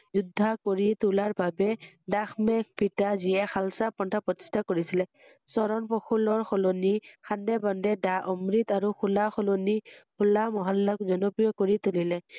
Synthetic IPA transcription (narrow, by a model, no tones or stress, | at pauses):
zud̪ʱːakoɹit̪ulaɹbabɛdaxmɛk̚pitazijɛxalsapɔntʰapɹɔt̪i̥stʰakoɹisilɛ | sɔɹɔnpɔxʰulɔɹxɔlonixandɛbɔndɛdaʔɔmɹit̪aɹuxʰulaxɔlonikʰulamɔɦalːɔkzɔnɔpɹijɔkoɹit̪ulilɛ